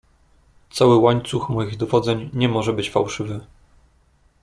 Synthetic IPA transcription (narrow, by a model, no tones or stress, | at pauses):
t̪sawɘwaɲt̪suxmɔjiɣd̪ɔvɔd̪zɛɲɲɛmɔʐɛbɘt͡ɕfawʂɘvɘ